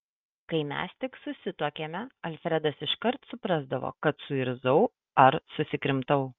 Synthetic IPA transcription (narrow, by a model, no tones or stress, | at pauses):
kɐɪmʲɛ̰st̪ʲɪksʊsʲɪt̪oːkʲeːmʲɛɐlʲfʲɾʲɛd̪ɐsɪʃkɐɾt̪sʊpɾɑzd̪ɐʋo̰ːkɐt̪sʊɪɾzɐʊ | ɐɾsʊsʲɪkɾʲɪmt̪ɐʊ